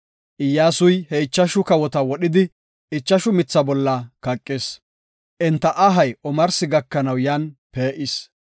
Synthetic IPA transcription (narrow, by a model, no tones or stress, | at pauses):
ʔɪjːaːsʊjhɛɪt͡ʃːɐʃʊkɐwɔt̪ɐwɔɗɪd̪ɪ | ɪt͡ʃːɐʃʊmɪt͡sːɐbɔlːɐkɐkʼːes | ʔɛnt̪ːɐʔɐɦɐjʔɔmɐɾsɪɡɐkːɐnɐwjaːnpeːʔɪs